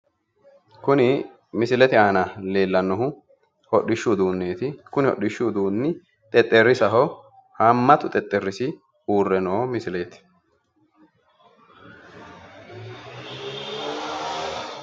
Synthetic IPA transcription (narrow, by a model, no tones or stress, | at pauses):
kʊnɪ | mɪsɪlɛt̪ɪaːnɐle̞ːlːɐnːɔɦʊ | hɔɗːɪʃːud̪uːnːeːt̪ɪkʊnɪhɔ̰ɗɪʃːuːd̪uːnːɪ | t̪ʼɛt̪ʼːɛrːɪsɐɦɔ | hamːɐt̪ʊt̪ʼɛt̪ʼːɛrːɪsɪ | uːrːɛnɔmɪsɪleːt̪ɪ̥